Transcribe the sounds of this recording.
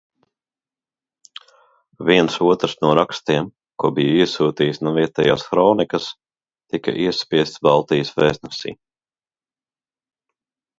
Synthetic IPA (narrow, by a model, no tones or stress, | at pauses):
viɛnsuɔt̪ɾsnuɔɾakst̪iɛm | kuɔbijiɛsuːt̪iːsnuviɛt̪ɛja̰ːsxɾɔːnikɐs | t̪ikɐ̰ʔiɛspʲiɛst̪sbɑlˠt̪ijəsvɛːsnɛsḭː